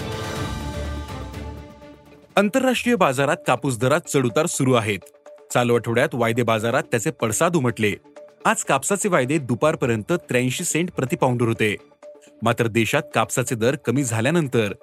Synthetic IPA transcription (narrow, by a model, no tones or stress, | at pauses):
ənt̪əɾːaʂʈɾijəbad͡zaɾat̪kapus̬d̪ʱəɾat̪̚t͡səɽut̪aɾsuɾuːaɦet̪ | t͡salʋaʈʰəʋɽjat̪ʋajd̪ebad͡zaɾat̪ːjat͡sepəɽsad̪uməʈlead͡zkapsat͡seʋajd̪ed̪upaɾpəɾjənt̪ət̪ɾãɕiːseɳʈ̚pɾət̪ipauɳɖəɾɦot̪e | mat̪ɾəd̪eɕat̪̚kapsat͡sed̪əɾkəmiːd͡zʱaljanənt̪əɾ